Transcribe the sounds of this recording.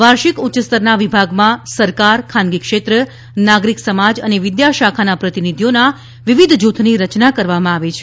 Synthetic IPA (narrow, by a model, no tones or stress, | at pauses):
ʋaɾʃikʊt͡ʃst̪əɾnaʋibʱaɡmãsəɾkaɾkʰanɡikʃet̪ɾə | naɡɾiksəmad͡ʒəneʋɪd̪jaʃakʰanapɾət̪inid̪ʱijona | ʋiʋid̪ʱd͡ʒut̪ʰniɾət͡ʃnakəɾʋamãaʋet͡ʃʰe